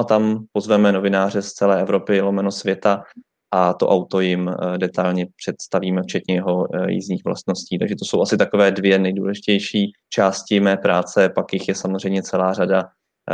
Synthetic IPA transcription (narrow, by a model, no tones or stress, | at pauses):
ʔat̪ampozvɛmɛno̞vɪnaːr̝ɛst͡sɛlɛːɛvɾo̞pɪlomɛnosvjɛt̪a | ʔat̪o̰ʔawt̪o̞jɪmdɛt̪alɲɛpr̝̥ɛt̪st̪aviːmɛft͡ʃɛt̪ɲɛjɛɦo̞jḭzɲiːxvla̰st̪no̞sciːt̪a̰ɡʒɛt̪osowʔasɪt̪akovɛːdvjɛnɛjdṵːlɛʒɪcɛjʃiː | t͡ʃaːscɪmɛːpɾaːt͡sɛpakjɪxjɛsamo̞zr̝ɛjmɲɛt͡sɛlaːrada